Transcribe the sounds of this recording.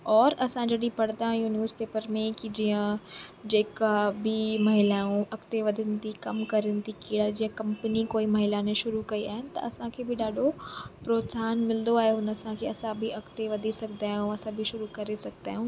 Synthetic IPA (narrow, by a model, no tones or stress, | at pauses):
ɔːɾɐsãd͡ʑɐɗipɐɽ̤d̪aːɦijũnjuːzpeːpəɾmẽkid͡ʑiːə̃d͡ʑeːkabʱɪmɐɦɪlaːũɐkt̪eʋɐd̪ʱənɪ̆t̪ikɐmkɐɾənɪ̆t̪ikiːɽad͡ʑiːə̃kɐ̃mpnikoːimɐɦɪlanẽʃʊɾukɐia̰ːɦɪnɪ̆t̪ɐ̰ɐsãkʰeːbʱɪɗaːɖʱopɾoːt̪saːnmɪld̪oaːɦeɦʊnɐsãkʰeɐsãbʱiɐkt̪eʋɐd̪ʱisɐɡʱd̪aːɦjũɐsãbʱiʃʊɾukɐɾesɐɡ̚ʱd̪aːɦjũː